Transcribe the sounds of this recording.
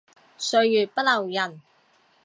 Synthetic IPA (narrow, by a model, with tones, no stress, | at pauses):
sɵ˧ɥjyː˨˩t̚pɐ˥t̚lɐ˨˩wjɐ˨˩n